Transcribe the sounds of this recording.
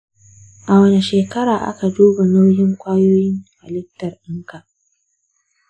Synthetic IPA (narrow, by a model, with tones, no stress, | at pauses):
ʔa˨wɐ˨ne˨ʃeː˨kɐ˦ɾaː˨ʔa̰˦ka˨duː˦ba˨na˦wjɪ˦ŋkʷʼaː˦joː˦jɪ˦ŋka˨lɪ˦k̚tɐ˨rʔɪ˦ŋka˨ʔ